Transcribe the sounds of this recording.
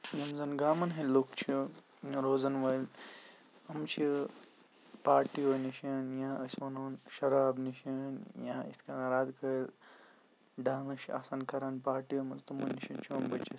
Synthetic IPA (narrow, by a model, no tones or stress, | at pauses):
jɐmzɐnɡaːmɐnɦɐ̃lokt͡ʃʰi | jɾoːzɐnʋɐjl | ɐmt͡ʃʰi | paːɾʈiʋoniʃɐnjãːʔɐsʋɐnoːnʃɐɾaːbniʃɐnjãḭt̪kaɐɾaːd̪kʰɐɾ | ɖãːŋɐʃia̰ːsaːnkʰɐɾaːnpaːɾʈimɐnzt̪ɐmɐnːiʃɐnt͡ʃʰiɐmbɐt͡ʃʰi